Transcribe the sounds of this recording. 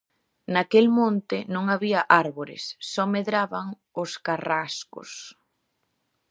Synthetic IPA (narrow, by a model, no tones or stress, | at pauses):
nakelmõnt̪ɪnõŋaβiɐʔaɾβoɾɪ̰sːɔmeðɾaβaŋ | ʊskaraskʊ̰s